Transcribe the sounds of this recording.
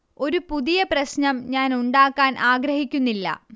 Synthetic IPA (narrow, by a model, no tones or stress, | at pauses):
o̞ɾupuðijɐprɐɕɲɐmɲaːnuɳɖaːkːaːnʔaːɡɾɐhikʲːunːilːɐ̰